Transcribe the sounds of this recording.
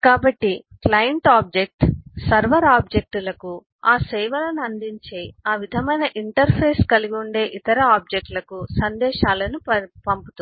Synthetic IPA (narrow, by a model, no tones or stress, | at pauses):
kaːbɐʈːiklɐjɐɳʈaːb̚d͡ʒek̚ʈsɐɾʋɐɾaːb̚d͡ʒek̚ʈulɐku | aːsejʋɐlɐnuɐnd̪iɲt͡ʃeaːʋid̪ʱɐmɐjnɐʔiɳʈɐɾpʰeːskɐliɡuɳɖe̞ːʔit̪ɐɾɐaːb̚d͡ʒek̚ʈlɐkusɐnd̪ɛːʃaːlɐnuɐpɐmput̪u